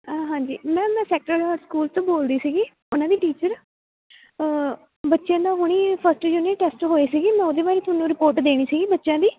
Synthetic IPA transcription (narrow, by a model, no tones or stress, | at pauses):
aːɦãːɲd͡ʒiːmɛ̃ːmɛ̃ːsɛːk̚ʈəɾɾskuːlt̪õːboːld̪iːsiːɡiː | ʊnãːd̪iːʈiːt͡ʃəɾ | bətːʃjãːd̪ãːɦoɽ̃iːpʰəsʈjuniʈeːsʈɦoːiːsiːɡiːmɛ̃ːoːd̪eːbaːɾiːt̪ʊaːnũːɾɪpoːɾʈd̪eːɽ̃iːsiːɡiːbətːʃjãːd̪iː